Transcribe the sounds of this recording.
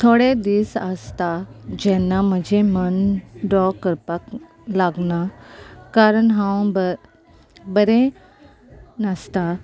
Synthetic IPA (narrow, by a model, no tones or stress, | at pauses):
t̪ʰoɽed̪isəst̪ad͡ʒɛnaməd͡ʒʱemənɖɔkːəɾpak | laɡnakaɾəɳɦãʋ̃bə | bəɾe | nəst̪a